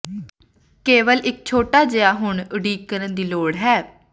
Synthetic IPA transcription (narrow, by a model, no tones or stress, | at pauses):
keːʋəlɪk̚t͡ʃʰoːʈaːd͡ʒejaːɦʊɳəɖiːkːəɾənd̪iːloːɽɦɛː